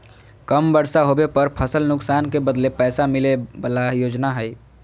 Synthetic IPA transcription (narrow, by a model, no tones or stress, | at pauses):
kəmbəɽsaɦobepəɾpʰəsəlnʊksaːnkebəd̪lepɛːsamilebəlajoːd͡ʒnaɦəj